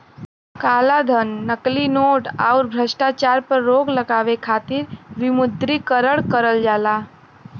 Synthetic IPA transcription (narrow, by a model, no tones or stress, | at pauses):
kaːlad̪ʱənːəklinoːʈaʊɾbʱɾəʃʈat͡ʃaːɾpəɾːoːɡləɡaːʋekʰaːt̪iɾʋɪmʊd̪ɾikəɾəɽkəɾəld͡ʒaːlaː